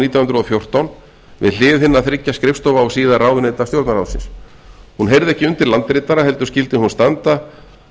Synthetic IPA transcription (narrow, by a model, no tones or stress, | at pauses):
niːt̪jawhʏnt̪ɾɔfjowr̥t̪awn | vɪ̰ðl̥ɪːvɪθɪnːaθɾɪcːaskɾɪfst̪ɔvaɔsiːðaraːwðʏnejt̪at̪jowɾt̪naɾawðsɪ̰ns | hunɦejɾðɪɛhcːɪʏnt̪ɪɾlant̪ɪɾɪt̪ːaɾaɦɛlt̪ʏ̥ɾscɪlt̪ɪhunst̪ant̪a